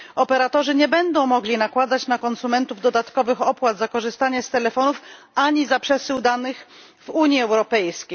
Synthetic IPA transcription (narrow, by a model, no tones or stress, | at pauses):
ɔpɛɾat̪ɔʐɘɲɛbɛnd̪ɔ̃w̃mɔɡlʲinakwad̪at͡ɕnakɔnsumɛnt̪uvd̪ɔd̪at̪kɔvɘxɔpwad̪zakɔʐɘst̪aɲast̪ɛlɛfɔnuf | aɲizapʂɛsɘwd̪anɘx | vuɲiɛwɾɔpɛjskʲej